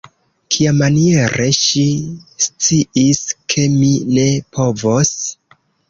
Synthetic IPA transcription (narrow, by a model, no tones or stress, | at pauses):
kʰiamːanie̞ɾʔe̞ʃist͡siiskʰe̞mine̞pʰo̞vos